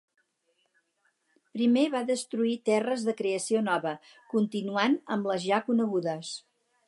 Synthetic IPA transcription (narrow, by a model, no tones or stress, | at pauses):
pɾimeβaðəst̪ɾuit̪ɛrəzðəkɾeəsionɔβə | kunt̪inuanəmləzʒakunəɣuðəs